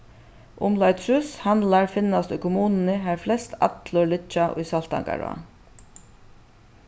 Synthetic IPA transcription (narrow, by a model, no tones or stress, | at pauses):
ʔʊmlaɪt̪sʉshanlaɹfɪnːast̪ʊʏkʰʊmuːnnəɦæːɾflɛst̪a̰t̪lʊɹlɪt͡ʃːaʔʊ̰jsal̥t̪a̰ŋka̰ɹ̰a̰n